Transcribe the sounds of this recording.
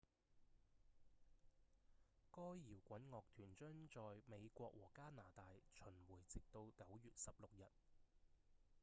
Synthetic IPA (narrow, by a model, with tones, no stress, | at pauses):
kɔː˥jjiː˨˩wkʷɐ˨˥nŋɔː˨k̚t̪ʰyː˨˩nt͡ʃœː˥ŋt͡ʃɔː˨jme˨˧jkʷɔː˧k̚wɔː˨˩kaː˥naː˨˩t̪aː˨˧jt͡ʃʰɵ˨˩nwuː˨˩jt͡sɪ˨k̚t̪o˧wkɐ˨˥wjyː˨t̚sɐ˨p̚lʊ˨k̚jɐ˨t̚